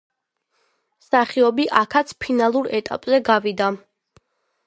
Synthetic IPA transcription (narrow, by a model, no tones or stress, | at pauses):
saχiɔbiʔakʰat̪sʰpʰinalˠuɾɛt̪ʼa̰pʼzɛɡavid̪a